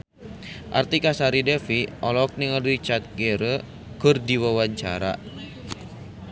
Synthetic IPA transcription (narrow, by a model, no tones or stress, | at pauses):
ʔa̰rt̪ikasaɾidɛfiʔɔlɔk̚niŋərit͡ʃat̪̚ɡeɾə | kɨrdiwawaɲt͡ʃa̰ɾa̰